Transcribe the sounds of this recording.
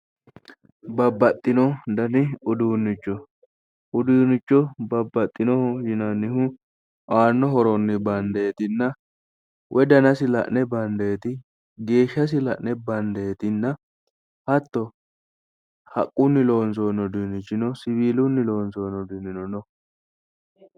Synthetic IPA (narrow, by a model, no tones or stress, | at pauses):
bɐbːɐt̪ʼːɪnɔd̪ɐnɪʊd̪uːnːɪt͡ʃːɔ | ʔʊd̪uːnːɪt͡ʃːɔbɐbːɐt̪ʼːɪnɔhɔjɪnɐnːɪɦʊ | ʔaːnːɔɦɔɾɔnːɪbɐnd̪ɐɛt̪ɪnːɐ | wʔɛd̪ɐnɐsɪlɐ̰ʔnɛbɐnd̪ɐjɛt̪ɪ | ɡe̞ːʃːɐs̬ɪlɐ̰ʔnɛbɐnd̪ɐjɛt̪ɪnːɐ | hɐt̪ːɔ | hɐ̰kʼːʊnːɪloːns̬oːnːɔd̪inːɪt͡ʃːɪnɔsɪbiːlʊnːɪlo̞ːnsoːnːɔd̪inɪnɔnɔ